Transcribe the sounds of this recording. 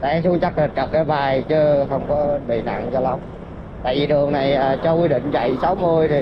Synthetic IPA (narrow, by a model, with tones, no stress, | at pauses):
ta̰˧˨ɛ˧su˧əŋt͡ɕa˦˥k̚t̪ï˨˩t̟̚kə˨˩p̚kaː˨˦ɓaː˨˩jt͡ɕɨ˨˦xə˧wŋ͡mkɔ˨˦ɓḭ˧˨na̰˧˨ŋt͡ɕɔ˧la˧˦wŋ͡m | t̪a̰ː˧˨jvi˨˩ɗɨ˨˩əŋna˨˩jʔəː˨˩t͡ɕɔ˧kwi˧ɗḭ̈˧˨ŋ̟t͡ɕa̰˧˨jsa˨˦wmu˧jt̪ʰi˨˩